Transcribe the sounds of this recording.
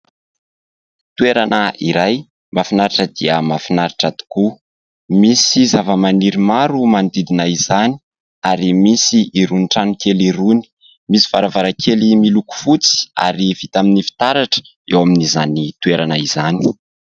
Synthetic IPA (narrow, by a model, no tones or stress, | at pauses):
t̪ueɾanəiɾaj | mafinaɾaʈ͡ʂəd̪iəmafinaɾiʈ͡ʂat̪u̥ku | misizavəmaniɾimaɾumand̪id̪inaiz̥ani̥ | aɾimisiiɾuniʈ͡ʂanukeliɾuni̥ | misi̥faɾavaɾakʰelimiluku̥fut͡si̥a̰ɾivit̪aminifi̥t̪aɾaʈ͡ʂə̥ | ewaminizanit̪ueɾanaizani̥